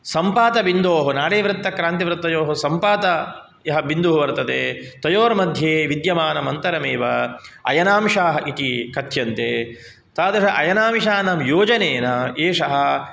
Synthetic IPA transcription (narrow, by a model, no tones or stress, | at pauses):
sɐmpaːt̪ɐbind̪oːɦɐnaːɽeːʋɾɪt̪ːɐkɾaːnt̪iʋɾɪt̪ːɐjoːɦɐsɐmpaːt̪ɐ | jɐɦɐbind̪uɦuʋɐɾt̪ɐt̪ḛːt̪ɐjoːɾmɐd̪ʱjeːʋid̪jɐmaːnɐmɐnt̪ɐɾɐmeːʋɐɐ̰jɐnaːmʂaːɦɐʔit̪ikɐt̪jɐnt̪eː | t̪aːd̪ɐʃɐʔɐjɐnaːmʃaːnɐmjoːd͡ʒɐneːnɐeːʂɐɦɐ̆